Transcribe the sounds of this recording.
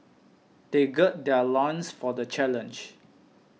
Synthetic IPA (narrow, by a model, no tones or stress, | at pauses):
d̥eɡɛt̚dɛlãnsfɔdət͡ʃɛlə̃nd͡ʒ